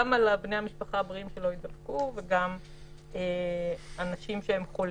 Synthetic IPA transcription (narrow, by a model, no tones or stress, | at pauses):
amalabne̞jamiʃpaχabʁiimʃelo̞id̪alkuveɡam | eanaʃimʃeemχo̞l